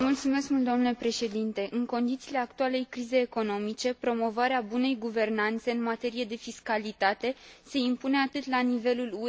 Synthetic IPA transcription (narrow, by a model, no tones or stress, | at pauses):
mult̪sume̞skmult̪omnule̞pɾe̞ʃe̞d̪int̪e̞ʔɨŋko̞nd̪it̪siːle̞akt̪uale̞jkɾize̞ːko̞no̞mit͡ʃe̞pɾo̞mo̞vaɾeabune̞jɡuve̞rnant̪se̞ɨnmat̪e̞ɾije̞d̪e̞fiskalit̪at̪e̞se̞impune̞at̪ɨt̪lanive̞lulu